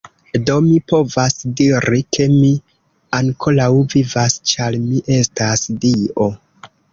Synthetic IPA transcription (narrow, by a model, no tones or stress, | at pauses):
do̞mipo̞vasdiɾikʰe̞mi | aŋkʰo̞lawvivast͡ʃaɾmiʔe̞stasdiʔo̞